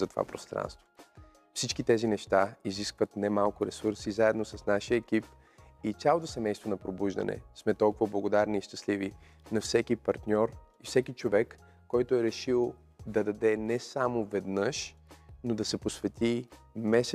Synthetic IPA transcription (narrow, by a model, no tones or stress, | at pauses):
zɐt̪o̥va̰pɾo̰st̪ɾa̰nst̪vo̥ | fsit͡ʃkit̪ɛzinɛʃt̪aiziskvət̪nɛmalˠkʊɾɛsuɾsizaɛd̪nosɐsnaʃijəɛk̟ip | it̪sʲjalˠot̪osɛmɛjst̪vonɐpɾobuʒd̪ɐ̰nɛ̰smɛt̪ɔlˠkʊvɐblˠɐɡod̪aɾniːʃt̪ɐslivi | nɐfsɛkipɐɾt̪nʲɔɾ | ifsɛkit͡ʃovɛkː | ɔjt̪ʊɛɾɛʃilˠ | d̪ɐd̪ɐd̪ɛnɛsamovɛd̪nəʃ | nod̪ɐsɛposvɛt̪i | mɛsɛ